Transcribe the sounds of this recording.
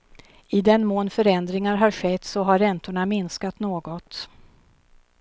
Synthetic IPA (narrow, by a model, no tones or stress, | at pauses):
ɪd̪ɛnmoːnfœɾɛnd̪ɾɪŋaɾɦaɾɧɛt̪ːsɔɦaɾːɛnt̪ʊɳamɪnskat̪noːɡɔt̪